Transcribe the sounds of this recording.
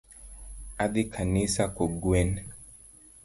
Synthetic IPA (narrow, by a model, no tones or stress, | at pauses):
aðikʰanisakɔɡwɛn